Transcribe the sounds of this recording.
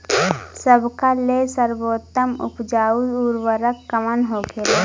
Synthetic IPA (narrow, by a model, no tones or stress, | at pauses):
səbkalesəɾboːt̪ːəmʊ̰pd͡ʒaːud̪uɾwəɾəkːəmənɦoːɡela